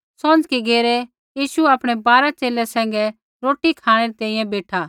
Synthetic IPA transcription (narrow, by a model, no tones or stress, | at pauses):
sod͡ʒkiɡeːɾe | jiːʃuɐpɽ̃ebaːɾat͡ʃeːlɛsɛ̃ːŋ̆ɡɛ | ɾoːʈikʰaːɽ̃eɾit̪ɛ̃ːĩjɛ̃beːʈʰaː